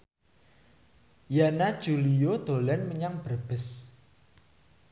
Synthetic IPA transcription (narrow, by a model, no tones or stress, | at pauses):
janad̥ʒ̥uliod̪̥o̤lɛnməɲaŋb̥ərb̥ə̤s